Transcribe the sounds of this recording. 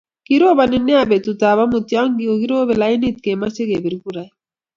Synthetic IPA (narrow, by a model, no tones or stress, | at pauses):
kiɾoːbaneneabet̪ut̪aːβamut̪jaŋɡioɡiɾoːbelainit̪̚kemɐseɡebiɾɡuɾaj